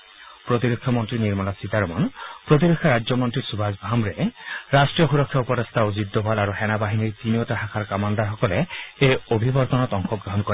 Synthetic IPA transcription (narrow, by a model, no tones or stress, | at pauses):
pɾot̪iɾekʰːjɔmɔntɾiniɾmɔnasit̪aɾɔmɔ̰npɾot̪̬iɾekʰːjaɾad͡ʒjɔmɔntɾisubʱazbʱamɾeɾasʈɹijɔxuɾɔkʰːjaupɔɾest̪ʰaozid̪ːɔbʱalaɾuhɛnabaɦiniɹt̪iniotaɦakʰaɾkamand̪aɾɦɔkɔleejobʱibɔɾt̪ɔnɔt̪ɔŋxɔɡɾɔɦɔnkɔɾ